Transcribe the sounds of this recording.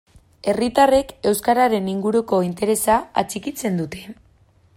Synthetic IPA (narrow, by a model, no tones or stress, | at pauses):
e̞rit̪are̞ke̞wskaɾaɾe̞niŋɡuɾuko̞int̪e̞ɾe̞saa̰t͡sikit͡se̞nd̪ut̪e̞